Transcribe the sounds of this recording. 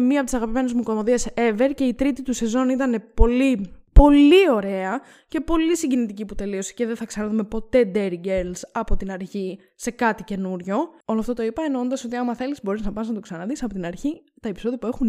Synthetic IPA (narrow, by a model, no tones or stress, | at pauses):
miɐpot̪isɐɣɐpime̞nezmuko̞mo̞ðiɐse̞ve̞ɾce̞it̪ɾit̪it̪use̞zo̞nit̪ɐne̞po̞lipo̞lio̞ɾe̞ɐ | ce̞po̞lisiɲɟenit̪iciput̪e̞lio̞si̥ceðeθɐksɐnɐðume̞po̞t̪e̞d̪eɾiɡeɾlsɐpo̞t̪inɐɾçi | se̞kɐt̪ice̞nuɾʝo̞o̞loɐft̪o̞t̪oipɐenoond̪ɐso̞t̪iɐmɐθe̞lizbo̞ɾiznɐpɐznɐt̪o̞ksɐnɐðisɐpot̪inɐɾçit̪ɐe̞piso̞ðiɐpue̞xun